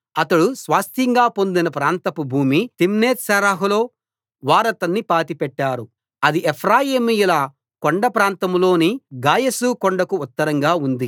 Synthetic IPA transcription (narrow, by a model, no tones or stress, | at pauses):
ɐt̪ɐɽusʋaːst̪ʰjɐŋɡaːpo̞nd̪inɐpɾaːnt̪ɐpubʱuːmit̪imneːt̪sɐɾaːɦulo̞ː | ʋaːɾɐt̪ɐnːipaːt̪ipɛʈːaːɾu | ɐd̪iʔepʰɾaːjimijulɐ | koɳɖɐpɾaːnt̪ɐmlo̞ːniɡaːjɐsukoɳɖɐkuːt̪ːɐɾɐŋɡaːund̪i